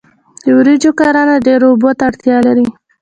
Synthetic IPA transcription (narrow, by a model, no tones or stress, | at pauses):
d̪̥əwɾid͡ʒokɑɾɑnaɖeɾobot̪aaɽt̪jɑlaɾi